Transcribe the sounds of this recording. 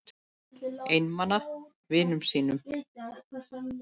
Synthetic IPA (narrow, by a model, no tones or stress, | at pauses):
ʔejnmana | vɪːnʏmsiːnʏm